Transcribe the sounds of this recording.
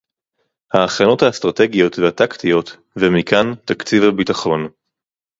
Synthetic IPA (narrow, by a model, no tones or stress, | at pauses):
haːχano̞thastʁate̞ɡijo̞t̪vehat̪akt̪ijo̞t̪ | vemikʰant̪akt͡sivhabitaχo̞n